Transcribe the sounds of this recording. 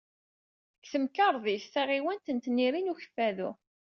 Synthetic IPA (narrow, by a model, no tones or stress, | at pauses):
kθəmkəɾˤðiθθæʁiwænt̪ənt̪nːiɾinuçə̥fːæðṵ